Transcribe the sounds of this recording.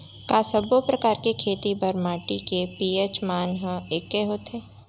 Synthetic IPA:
kaːsəbopɾɐkaːɾkekʰeːt̪ibɐɾmaːʈikepiːet͡ʃmaːnɦəekːeɦoːt̪ʰeː

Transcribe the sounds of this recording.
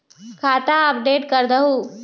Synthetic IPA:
kʰat̪aəp̚ɖeːʈkəɾd̪əɦu

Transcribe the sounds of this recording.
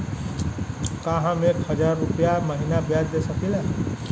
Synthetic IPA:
kaɦãmekhəd͡ʒaɾːupjaməɦinabjad͡ʒd̪esəkila

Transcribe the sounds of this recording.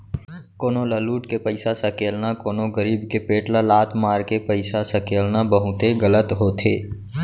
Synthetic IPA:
koːnolaːluːʈkepəɪsasakeːlnakoːnoɡəɾiːbkepeːʈlalaːt̪ʰmaːɾkepəɪsasɐkeːlnabəɦʊt̪eɡələt̪ɦoːt̪ʰeː

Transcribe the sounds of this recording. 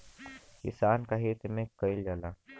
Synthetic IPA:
kḭsaːnkaɦeːt̪mẽkɐild͡ʒalaː

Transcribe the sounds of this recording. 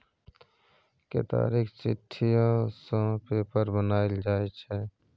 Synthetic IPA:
kḛt̪a̰ːɾiːkt͡ʃɪt̪ʰːijãsõpeːpəɾbənaːeld͡ʒaːet͡ʃʰɛ

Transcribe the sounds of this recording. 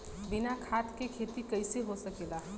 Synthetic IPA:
bɪnakʰaːt̪kekʰeːt̪ikəɪseɦosəkeːla

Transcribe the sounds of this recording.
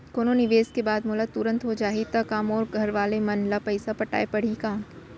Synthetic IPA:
koːnonɪʋeːskebaːd̪mʊlat̪ʊɾə̃nt̪ɦod͡ʒaːet̪ɐkaːmoːɾɡʱɐɾʋaːlemɐnlapɐɪsapɐʈa̰ːepɐɽ̤ikãː

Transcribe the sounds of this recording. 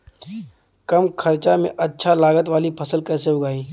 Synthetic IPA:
kɐmkʰɐɾt͡ʃamḛ̃ʔɐtːʃʰalaːɡət̪ʋaːlipʰɐsəlkɛːseɦʊɡaːiː

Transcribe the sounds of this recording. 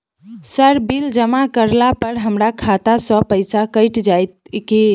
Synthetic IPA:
səɾbild͡ʒəmakəɾlapəɾɦəmɾakʰat̪asə̃pəɪsakəɪʈd͡ʒajt̪̚ki

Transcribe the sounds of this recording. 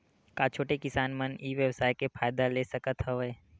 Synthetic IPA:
kat͡ʃʰoːʈekɪsaːnməniːʋjəwsaːjkefaːjd̪alesɐkət̪ɦəʋeː

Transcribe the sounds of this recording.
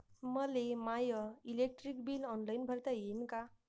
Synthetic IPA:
məlemajəilek̚ʈɾikbilɔnlajinbʱəɾt̪ajenka

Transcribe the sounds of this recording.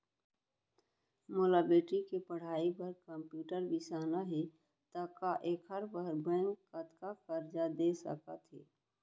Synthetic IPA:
moːlabeːʈikepəɽ̤aːipəɾkə̃mpjuːʈəɾbɪsaːnaɦɛ | t̪akaʔeːkəɾbəɾbɛ̃ːŋkːət̪kakəɾd͡ʒad̪eːsə̰kat̪ʰɦḛː

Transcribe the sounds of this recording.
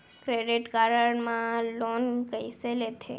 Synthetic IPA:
kɾeɖiʈɡaɾəɽmãlonkəjselet̪ʰḛ

